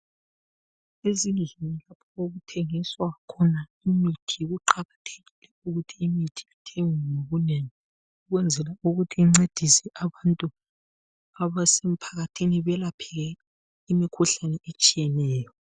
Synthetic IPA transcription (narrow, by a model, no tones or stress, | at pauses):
ezinɮinilapʰɔoɣutʰɛŋiswaɣakʰɔna | imitʰiɣuǃaɣatʰeɣilɛuɣutʰiːmitʰi̥itʰeŋwɛnoβuneŋi | uɣwɛnd͡zʱɛlauɣutʰiiŋ͡ǀed̥ʱisɛʔaβantʼu | aβasem̩pʰaɣatʰiniβɛlapʰɛɣɛ | imikʰuɬanɛʔet͡ʃʼijɛnɛːjɔ